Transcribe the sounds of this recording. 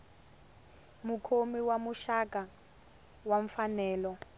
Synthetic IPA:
mukʰomiwamuʃak̬ʼa | waɱfanɛːlɔ

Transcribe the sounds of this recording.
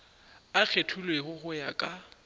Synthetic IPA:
ak͡xʰetʰulwehʊhʊjakʼa

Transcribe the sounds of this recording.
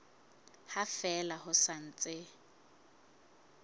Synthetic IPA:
hafɛlahʊsan̩t͡sʼɪ

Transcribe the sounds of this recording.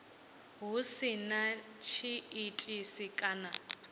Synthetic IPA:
ɦusinat͡ʃʰiːtʼisikʼana

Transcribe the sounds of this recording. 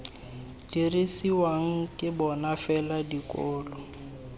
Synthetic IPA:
d̥irisiwaŋ̩kʼɪbɔnafɛladikʼɔːlɔ

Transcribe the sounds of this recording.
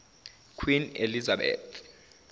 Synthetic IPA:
kʰwinelizaɓɛ̰ːtʰ

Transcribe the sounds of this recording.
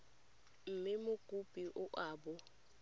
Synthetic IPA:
m̩mɪmʊɡ̥ʱub̥ʱʼiʔʊʔaːbʊ

